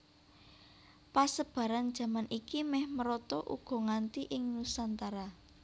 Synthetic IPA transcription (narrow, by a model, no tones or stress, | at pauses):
pasəb̥ä̤ɾand̥ʒ̥ä̤manʔikimɛhməɾɔt̪ɔʔṵɡ̥ɔ̤ŋant̪iʔɪŋnusant̪aɾa